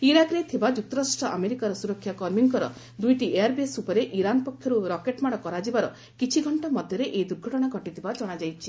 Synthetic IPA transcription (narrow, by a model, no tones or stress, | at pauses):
iɾakɾet̪ʰibad͡ʒut̪ːɔɾasʈɾɔʔameɾikaɾɔsuɾɔkʰːjakɔɾmiŋkɔɾɔ | d̪ujʈiʔeaɾbesupɔɾeʔiɾanpɔkʰjɔɾuɾɔkeʈmaɽ̃ɔkɔɾad͡ʒibaɾɔ | kit͡ʃʰiɡʱɔɳʈɔmɔd̪ʱjɔɾeʔed̪uɾɡʱɔʈɔɽ̃aɡʱɔʈit̪ʰibad͡ʒɔɽ̃ad͡ʒajt͡ʃʰi